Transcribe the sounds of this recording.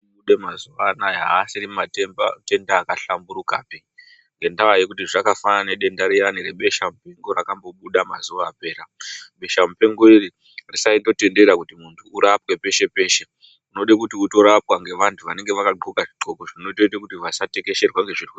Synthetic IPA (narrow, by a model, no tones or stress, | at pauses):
ɓuɗemazuʋanajaɦaːsirimatemba̰te̞ndaːkaɬambuɾukaːpi | ŋɡe̞ndawajekut̬iʐakafananeɗe̞ndaɾiɾanire̞ɓe̞ʃamupe̞ŋɡo̞rakambo̞ɓuɗama̰zuʋaːpe̞ːɾaɓe̞ʃamupe̞ŋɡo̞iri | risaindo̞te̞nde̞ɾakutimuntʰuːɾapwe̞pe̞ʃe̞pe̞ːʃe̞ | uno̞ɗekutiuto̞ɾapwaŋɡe̞ʋantʰuʋane̞ŋɡe̞ʋakaɡ͡ǃʱukaʐiǃo̞koʐino̞to̞it̬ekutiʋasate̞ke̞ʃe̞rwaŋɡe̞ʐiriku